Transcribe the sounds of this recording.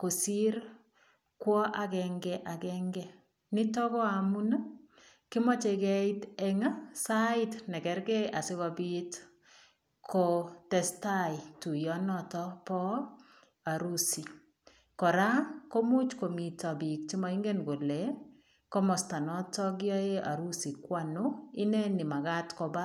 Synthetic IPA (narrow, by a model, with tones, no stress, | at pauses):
ko˨si˦ɾ | kwɔ˦ʔa˨kɛŋɡɛ˦ʔa˨kɛ˦ŋɡɛ˦ | nɪ˦tɔ˦kɔ˦a˨mu˦na | kɪ˦mɔ˦t͡ʃe˧kɛ˦ɪtɛ˦ŋa˦saɪ˦tnɛ˨kɛ˨ɾɡɛ˦jʔa˨sɪ˦wa˨bi˦t | kʰotɛ˨sta˦jtu˨jɔ˦nɔ˦tɔ˦pɔ˦ | a˨ɾu˦si˨ | kɔ˨ɾa˦ko˦mu˦t͡ʃko˨mi˨tɔ˨bi˨k̚ti˦ma˨˦ɪ˦ŋɡe˦nɡo˨lɛ˨ | kɔ˦mɔ˨sta˨nɔ˦tɔ˦ɡɪ˦ɔ˦je˦ʔa̰˨ɾu˦si˨kwa˦˨nʊ˦ɪ˦nɛ˦nɪ˨ma˨ɡa˦tkɔ˨ba˦